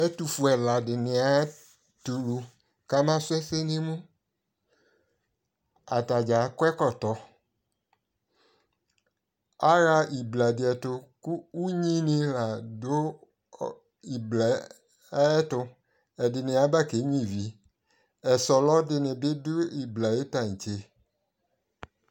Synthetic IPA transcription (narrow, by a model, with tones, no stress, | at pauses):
ɛ˦tu˨fu˨ɛ˨la˨dɪ˨nɪ̃˨a˨ | tu˨lu˨ | ka˦mã˦sʊ˦ɛ˦se˦nɪ̃˦mũ˦ | a˨ta˨d͡ʒa˨˦kɛ˦kɔ˦t̪ɔ˨ | a˦ɾa˦i˨bla˨dɪ˨ɛ˨tʊ˨ku˦u˦ɲĩ˦nɪ̃˧la˨do˦ | i˨bla˨˦ | ɛ˦tʊ˧ | ɛ˨dɪ˨nɪ̃˨a˨˦ba˦˨ke˨˦ɲĩ˦˨vi˨˦ | ɛ˨sɔ˨lɔ˦dɪ˧nɪ̃˨bɪ˦dʊ˦i˨bla˨je˦ta˨ɲ̩˨t͡ʃe˨